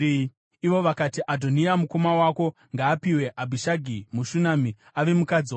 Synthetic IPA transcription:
iʋo̞ʋakatiʔadʱo̞niamuko̞mawako̞ | ŋɡaːpiwe̞ʔabʱiʃaɡʱimuʃunami | aʋe̞mukad͡ziwa

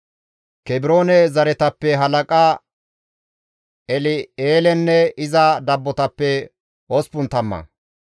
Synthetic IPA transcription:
kɛbɪɾo̞ːnɛzɐɾɛt̪ɐpːɛɦɐlɐkʼa | ɛlɪeːlɛnːɛɪzɐd̪ɐbːɔt̪ɐpːɛ | ɔspʊnt̪ɐmːɐ̰

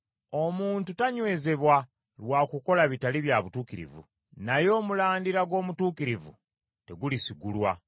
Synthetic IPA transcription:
o̞muːntutaɲwe̞ːze̞βwa | lwaːkuko̞laβitaliβjaβutuːkiɾḭvṵ | najo̞ːmulaːndiɾaɡo̞ːmutuːkiɾivṵ | te̞ɡulisiɡulwa̰

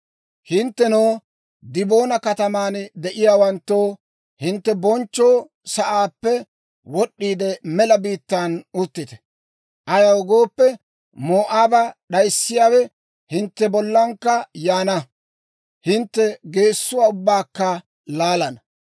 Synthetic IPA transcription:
hɪnt̪ːɛnoː | d̪ɪbo̞ːnɐkɐt̪ɐmaːnd̪ɛʔɪjaːwɐnt̪ːoː | hɪnt̪ːɛbɔnt͡ʃːo̞ː | sɐʔaːpːɛ | wɔɗːiːd̪ɛmɛlɐbiːt̪ːanʊt̪ːɪt̪ɛ̥ | ʔɐjɐwʊɡo̞ːpːɛ | moːʔaːbɐɗɐjsːɪjaːwɛ | hɪnt̪ːɛbɔlːɐŋkːɐjaːnɐ | hɪnt̪ːɛɡe̞ːsːʊwaːʊbːaːkːɐ | laːlɐnɐ

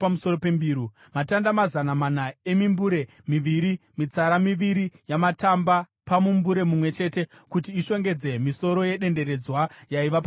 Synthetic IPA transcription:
pamuso̞ro̞pe̞mbiːɾu | matandamazanamanae̞mimbuɾe̞ | miʋiɾimit͡saɾamiʋiɾijamatamba | pamumbuɾe̞mumwe̞t͡ʃe̞ːte̞ | kutiːʃo̞ŋɡe̞d͡ze̞miso̞ɾo̞je̞ɗe̞nde̞ɾe̞d͡zwajaiʋapa

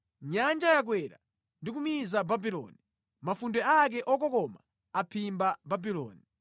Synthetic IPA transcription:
ɲand͡ʒajak̬wɛɾa̰ | ndik̬umizababilɔ̰ni | mafundɛak̬ɛʔɔkɔkɔma̰ | apʰimbababilɔ̰ːni

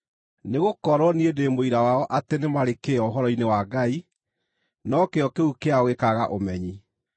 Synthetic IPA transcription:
neɣokɔɾɔniedemoiɾawaɔʔatenemaɾekeɔoɦɔɾɔinewaɡai | nɔkeɔkeukeaoɣekaɣaʔomɛɲi

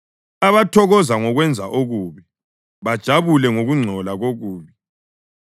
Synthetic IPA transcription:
aβatʰɔɣɔzaŋɔɣwɛnd͡zʱaʔoɣuːβi | βad̥ʒ̥ʱaβulɛŋoɣuŋ͡ǀʱɔlaɣoɣuːβi

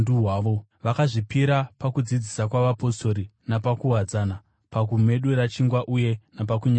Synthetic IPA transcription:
nduɦaːʋo | ʋakaʐipiɾapakud͡zid͡zisakwaʋapo̞sto̞ɾinapakuɦad͡zana | pakume̞ɗuɾat͡ʃiŋɡwaʔuje̞nap̬akuɲa

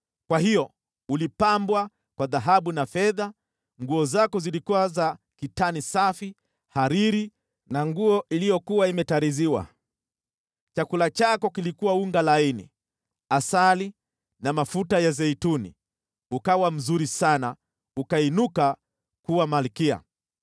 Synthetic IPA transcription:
kwahijɔ | ulipambwa | kwaðaɦaɓunafɛða | ŋɡuɔzakɔzilikuwaza | kitanisafi | haɾiɾi | naŋɡuɔʔilijɔkuwaimɛtaɾiziwa̰ | t͡ʃakulat͡ʃakɔkilikuwauŋɡalainḭ | asali | namafutajazɛitunḭ | ukawam̩zuɾisana | ukainuka | kuwamalikia̰

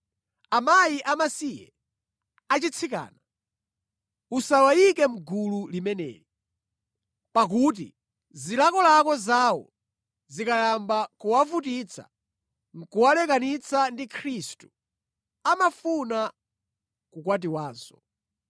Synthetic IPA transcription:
amajiʔamasijɛ̰ | at͡ʃit͡sʰika̰ːna | usawajikɛm̩ɡululimɛnɛ̰ːli | pak̬uːt̬ḭ | zilakɔlakɔzawɔ̰ | zikajambakuwavut̬it͡sʰa̰ | ŋ̩kuwalɛkanit͡sʰandikʰɾistu̥ | amafuna | kukwat̬iwaːzɔ

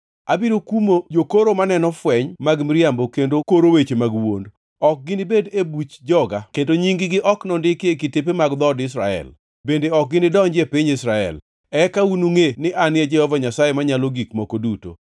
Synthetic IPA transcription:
a̰biɾokumod͡ʒokoɾomanɛnɔfwɛɲmaɡmɾɪambokendokoɾowet͡ʃemaɡwond | ɔk̚ɡɪnɪbedebut͡ʃd͡ʒɔɡakedoɲiŋɡɪɡɪʔɔknɔndɪkekɪtep̬emaɡd̪ɔdɪs̬ɾa̰ɛ̰l | bendeɔk̚ɡɪnɪdɔɲd͡ʒepiɲɪsɾaɛ̰l | ɛkaunuŋenɪʔanɪed͡ʒɛhɔvaɲasajemaɲaloɡikmɔkoduto̰

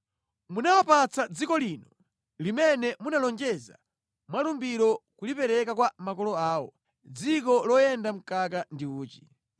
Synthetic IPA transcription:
munawapat͡sad͡zikɔliːnɔ | limɛnɛmunalɔnd͡ʒɛza̰ | mwalumbiɾɔkulipɛɾɛkakwamakɔlɔaːwɔ̰ | d͡zikɔlɔjɛndam̩kakandiuːt͡ʃi̥

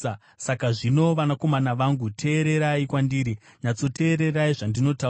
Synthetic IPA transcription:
sakaʐino̞ʋanako̞manaʋaŋɡutʰe̞ːɾe̞ɾaikwandiːɾiɲat͡so̞te̞ːɾe̞raiʐandino̞ta

